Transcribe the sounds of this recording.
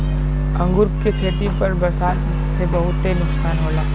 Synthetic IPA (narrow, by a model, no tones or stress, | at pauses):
ɐ̃ŋɡʊɾpkekʰeːt̪ipɐɾbɐɾsaːt̪ | sebɐɦʊt̪ɦenʊksaːnɦoːlaː